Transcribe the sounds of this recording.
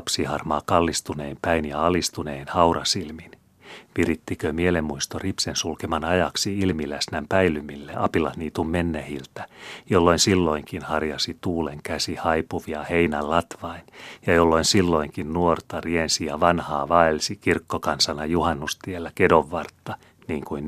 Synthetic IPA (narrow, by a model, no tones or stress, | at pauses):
psihɑrmɑːkɑlːist̪uneːmpæinjɑɑlist̪uneːnhɑwrɑsilmin | ʋirit̪ːikømielemːuist̪oripsensulkemɑnɑjɑksiilmilæsnæmpæilymilːeʔɑpilɑtniːt̪umːenːehilt̪æ̥jolːo̞insilːo̞iŋkinhɑrjɑsit̪uːleŋkæsihɑjpuʋiɑheinællɑt̪ʋɑinjɑjolːo̞insilːo̞iŋkinnuort̪ɑriensiɑʋɑnhɑːʋɑelsikirkːokɑnsɑnɑjuhɑnːust̪ielːækedoʋːɑrt̪ːɑ | niːŋkuin